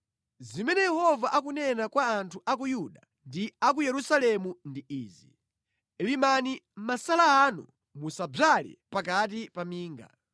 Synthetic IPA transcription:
zimɛnɛjɛhɔvaʔak̬unɛnakwaːntʰuʔak̬ujuɗa | ndiak̬ujɛɾusalɛmundiiːzi | ɛlimanimasalaːnu | musab͡ʐalɛ̰pakat̬ipamiːŋɡa̰

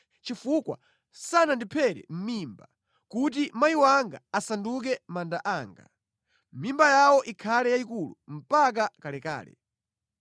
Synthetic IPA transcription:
t͡ʃifukwa̰ | sanandipʰɛɾɛ̰m̩mimba | kut̬imajiwaŋɡa̰asanduk̬ɛmandaʔaːŋɡa̰ | m̩mimbajawɔʔikʰalɛjaikulum̩pak̬akalɛka̰ːlɛ̰

